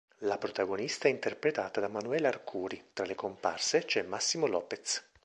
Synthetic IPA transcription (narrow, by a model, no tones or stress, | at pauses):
lapɾot̪aɡonist̪aɛint̪erpɾet̪aːt̪ad̪amanuɛːlaːrkʰuːɾit̪ɾalekompa̰rset͡ʃɛmːasːimolɔːpet̪s